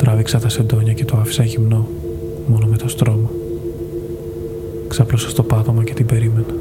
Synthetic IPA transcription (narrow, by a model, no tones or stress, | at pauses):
t̪ɾɐviksɐt̪ɐse̞nd̪o̞ɲɐce̞t̪oɐfi̥sɐʝimno̞ | mo̞nome̞t̪o̞st̪ɾo̞mɐ | ksɐplosɐst̪o̞pɐt̪o̞mɐce̞t̪ibe̞ɾime̞nɐ